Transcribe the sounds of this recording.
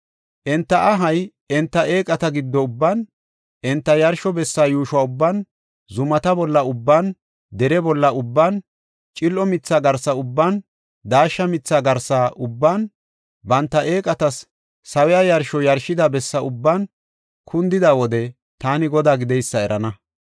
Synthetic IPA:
ʔɛnt̪ːɐʔɐɦɐj | ɛnt̪ːɐʔe̞ːkʼɐt̪ɐɡɪd̪ːɔʊbːan | ʔɛnt̪ːɐjɐɾʃɔbɛsːaːjuːʃʊwaːʊbːan | zʊmɐt̪ɐbɔlːɐʊbːaːn | d̪ɛɾɛbɔlːɐʊbːaːn | t͡ʃʼɪlʔɔmɪt͡sːaːɡɐɾsɐʊbːan | d̪aːʃːɐmɪt͡sːaːɡɐɾsaːʔʊbːaːn | bɐnt̪ːɐʔe̞ːkʼɐt̪ɐsː | ɐwɛjajɐɾʃɔjɐɾʃːɪd̪ɐbɛsːɐʊbːaːn | kʰʊnd̪ɪd̪awɔd̪ɛ | t̪aːnɪɡɔd̪aːɡɪd̪ɛjsːɐɛɾɐnɐ

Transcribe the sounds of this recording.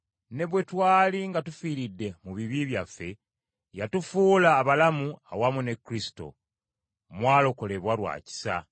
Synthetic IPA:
ne̞βwe̞twaːliŋɡatufiːɾidːe̞muβiβiβjafːe̞ | jatufuːlaːβalamuawamune̞kɾisi̥to̞̰ | mwaːlo̞ko̞le̞βwalwa̰ːci̥sa̰

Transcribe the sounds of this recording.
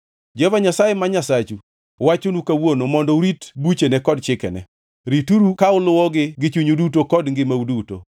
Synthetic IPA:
d͡ʒɛvaɲasajemaɲasat͡ʃu | wat͡ʃonukawonomɔndɔuɾitbut͡ʃenɛkɔdt͡ʃɪkɛ̰nɛ̰ | ɾituɾukaʊlʊwɔɡɪɡɪt͡ʃuɲudutokɔdŋɡɪmauduto̰

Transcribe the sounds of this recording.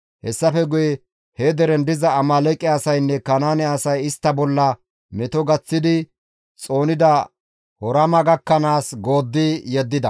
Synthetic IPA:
hɛsːɐfɛɡʊjɛ | hɛd̪ɛɾɛnd̪ɪzɐːmɐlɛkʼːɪɐsɐjnːɛkɐnaːnɛɐsɐjɪst̪ːɐbɔlːɐ | mɛt̪ɔɡɐt͡sːɪd̪ɪ | t͡sʼo̞ːnɪd̪ɐ | hɔɾɐmɐɡɐkːɐnaːsɡo̞ːd̪ːɪjɛd̪ːɪd̪ɐ

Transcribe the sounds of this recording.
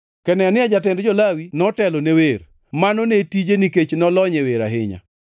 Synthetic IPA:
kɛnɛanɪad͡ʒatɪndd͡ʒɔlawinɔtɛlonewer | manonetid͡ʒeniket͡ʃnɔlɔɲeweɾa̰ɦɪɲa̰

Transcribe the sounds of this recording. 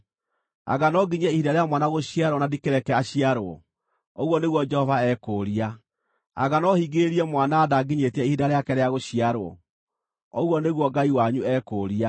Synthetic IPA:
a̰ɣanɔɡiɲɛihidaɾeamwanaɣoɕiaɾwɔnadikeɾɛkɛaɕiaɾoɔ̰ | oɣwɔneɣwɔd͡ʒɛhɔvaɛːkoːɾia | a̰ɣanɔhiɡeɾiɛmwanaːðaɡiɲetɛihidaɾeakɛɾeaɣoɕiaɾwɔ̰ | ɔɣwɔneɣwɔɡaiwaɲuɛːkoːɾia

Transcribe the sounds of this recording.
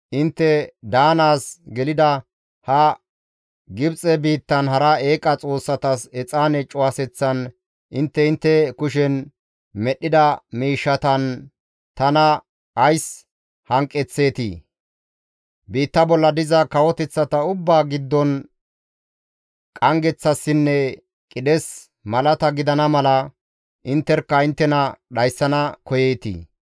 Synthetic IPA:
ʔɪnt̪ːɛd̪aːnaːsɡɛlɪd̪ɐ | hɐ | ɡɪbt͡sʼɛbiːt̪ːɐnhɐɾɐe̞ːkʼɐt͡sʼo̞ːsːɐt̪ɐsɛt͡sʼaːnɛt͡ʃʼʊwasɛt͡sːɐn | ʔɪnt̪ːɛɪnt̪ːɛkʊʃɛn | mɛɗːɪd̪ɐmiːʃːɐt̪ɐn | t̪ɐnɐ | ʔɐjs | hɐŋkʼːɛt͡sːe̞ːt̪ḭ | biːt̪ːɐbɔlːɐd̪ɪzɐkɐwɔt̪ɛt͡sːɐt̪ɐʊbːaːɡɪd̪ːɔn | kʼɐŋɡɛt͡sːɐsːɪnːɛ | kʼɪd̪ɛs | mɐlɐt̪ɐɡɪd̪ɐnɐmɐlɐ | ʔɪnt̪ːɛɾkːɐɪnt̪ːɛnɐɗɐjsːɐnɐkɔjeːt̪ḭː

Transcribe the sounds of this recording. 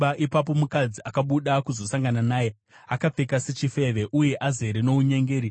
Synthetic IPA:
aʔipap̬o̞mukad͡ziakaɓuɗakuzo̞saŋɡananaːje̞ | akap͡fe̞kase̞t͡ʃife̞ʋe̞ʔuje̞ʔaze̞ɾeno̞uɲe̞ŋɡeːɾi

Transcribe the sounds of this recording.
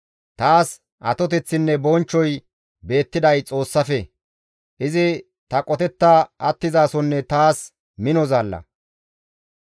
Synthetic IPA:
t̪aːs | ʔɐ̰t̪ɔt̪ɛt͡sːɪnːɛbɔnt͡ʃːɔj | be̞ːt̪ːɪd̪ɐjt͡sʼo̞ːsːɐfɛ | ʔɪzɪ | t̪ɐkʼɔt̪ɛt̪ːaɐt̪ːɪzaːsɔnːɛt̪aːs | mɪnɔzaːlːɐ̰

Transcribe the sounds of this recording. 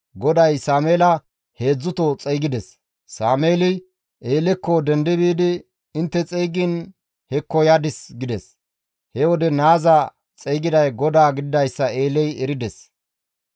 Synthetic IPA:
ɡɔd̪ɐjsaːmeːlɐ | he̞ːd͡zːʊt̪ɔt͡sʼɛjɡɪd̪ɛsː | aːmeːlɪ | ʔeːlɛkːɔd̪ɛnd̪ɪbiːd̪ɪ | ɪnt̪ːɛt͡sʼɛjɡin | hɛkːɔjad̪ɪsɡɪd̪ɛs | hɛwɔd̪ɛnaːzɐ | t͡sʼɛjɡɪd̪ɐjɡɔd̪aːɡɪd̪ɪd̪ɐjsːɐe̞ːlɛjɛɾɪd̪ɛs

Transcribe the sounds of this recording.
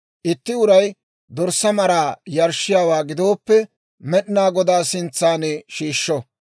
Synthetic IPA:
ʔɪt̪ːɪʊɾɐj | d̪ɔɾsːɐmɐɾaːjɐɾʃɪjaːwaːɡɪd̪o̞ːpːɛ | mɛɗɪnaːɡɔd̪aːsɪnt͡sːaːnɛʃiːʃːɔ

